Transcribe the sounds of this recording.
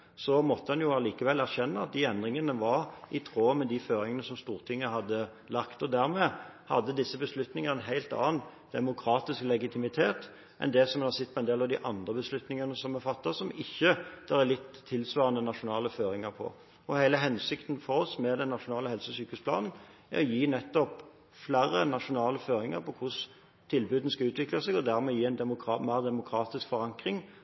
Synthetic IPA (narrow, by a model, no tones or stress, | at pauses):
sɔmɔt̪ːəhɑnjʊɑliːkəʋɛlæɾçɛnːəɑt̪̚d̪iɛnd̪ʁɪŋənəʋɑɾɪt̪ʰɾoːmɛd̪iføːɾɪŋənəsɔmst̪uːʁt̪ʰɪŋːəhɑd̪ːə | lɑkt̪ɔd̪æɾmɛːhɑ̰d̪ːəd̪ɪsːəbəslʉt̪nɪŋɑʁnəɦæɪlt̪ɑ̰ːənd̪̥ɛmʊkʰɾɑːt̪ɪsklɛɡɪt̪ʰɪmɪt̪ʰeːt̪ | ʔɛ̰nd̪ɛsɔmɑsɪt̪ːpʰɔɛnd̪eːlɑʋd̪ḭʔɑnd̪ʁəbəslʉt̪nɪŋɑnəsɔmɛfɑt̪ːəsɔmɪçːəd̪̥ɑʁælɪt̪ʰːɪlsʋɑːʁɑnənɑʂʊnɑːləføːɾɪŋəɾpʰɔ̰ | ɔhæɪləɦɛnsɪkt̪nfɔɾɔsmɛd̪ɛnːɑʂʊnɑːləhɛlsəsyːkʉspʰlɑ̰ːnn̩ | æ̰ɾɔjiːnɛt̪ːɔp | flæɾənɑʂʊnɑːləføːɾɪŋə̰ɾpɔkʰʊs | t̪ʰɪlbʉːd̪n̩skɑʉːt̪ʋɪklɑsɛɡɔd̪æʁmɛjiːɛɪnd̪ɛmʊkɑmæːʁd̪ɛmʊkʰʁɑːt̪ɪskfɔɾɑŋkʁɪŋ